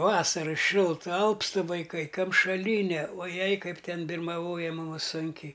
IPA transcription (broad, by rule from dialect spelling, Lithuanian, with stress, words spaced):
ˈʋɑːsɐrɐ ˈʃʲɪlˠtɐ ˈɐlˠpstɨ ʋɐɪˈkɐɪ kɐmʃɐˈlʲiːnʲɛ oː ˈjɛɪ ˈkɐɪp ˈtʲɛn bʲɪrmɐˈʋoːjɛ ˈmʊmʊs ˈsʊŋʲkʲɛɪ